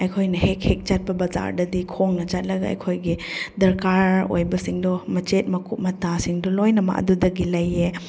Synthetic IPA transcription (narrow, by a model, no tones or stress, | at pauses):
ɐjkʰojnɐhek̚hek̚t͡ʃat̚pɐbad͡ʒa̰ɾdɐdikʰoŋnɐt͡ʃat̚lɐɡaɐ̰jkʰojɡidɐɾkaɾo̰jbɐsiŋdɔmɐt͡ʃet̚mɐkup̚mɐtasiŋdɔlojnɐma̰ʔɐ̰dudɐɡilɐjːe